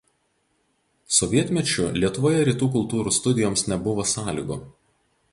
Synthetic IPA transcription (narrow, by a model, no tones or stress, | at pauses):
sɔʋʲiɛt̪ʲmʲɛt͡ʃʲʊlʲiɛt̪ʊʋoːjɛɾʲiːt̪uːk̬ʊlˠt̪uːɾuːst̪ʊd̪ʲɪjɔmsnʲɛbʊʋoːsɑːlʲḭːɡʊ